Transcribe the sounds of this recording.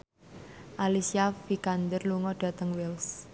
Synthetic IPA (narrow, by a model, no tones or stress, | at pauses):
ʔalisiafikand̪ərluŋɔɖ̥ä̤t̪əŋwɪls